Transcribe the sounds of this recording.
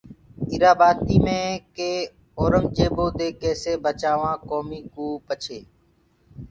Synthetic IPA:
ɪɾaːbaːt̪iːmẽːkeː | oːɾəmd͡ʒeːboːd̪eːkeːseːbət͡ʃaːʋãːkoːmiːkuːpət͡ʃʰeː

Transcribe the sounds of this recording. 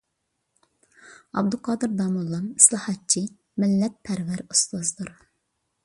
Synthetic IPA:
ɑ̰b̚d̪uqʰɑːd̪ɨɾd̪ɑːmulˠːɑni̥slˠɑhɑt̚t͡ʃʰi | mɪlːɛt̪̚pʰɛɾvæɾust̪ozd̪uɾ

